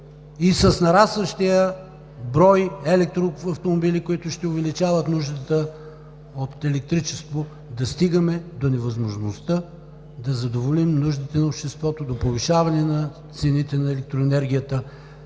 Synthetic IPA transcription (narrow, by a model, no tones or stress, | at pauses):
isɐsnɐɾasvəʃt̪ijə | bɾɔjɛlɛk̚t̪ɾoɐft̪omobilikoit̪ʊʃt̪ɛʊvɛlit͡ʃavət̪nuʒd̪ət̪ə | ot̪ɛlɛk̚t̪ɾit͡ʃɛst̪vo | d̪ɐst̪iɡəmɛd̪onɛvɐzmoʒnost̪ə | d̪ɐzɐd̪ovolimnuʒd̪it̪ɛnɐopʃt̪ɛst̪vɔt̪od̪opoviʃavɐnɛnɐ | t̪sɛnit̪ɛnɐɛlɛk̚t̪ɾoɛnɛɾɡ̟ʲijət̪ə